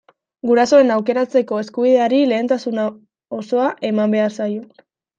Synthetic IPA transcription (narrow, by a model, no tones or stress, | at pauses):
ɡuɾaso̞e̞nawke̞ɾat͡se̞ko̞e̞skuβ̞iðe̞aɾile̞ːnt̪asuna | oso̞aʔe̞mambe̞aɾsajo̞